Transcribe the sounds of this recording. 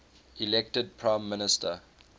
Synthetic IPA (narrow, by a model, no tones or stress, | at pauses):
ilɛk̚təd̚pʰɹãɪ̃mːɪnɪstə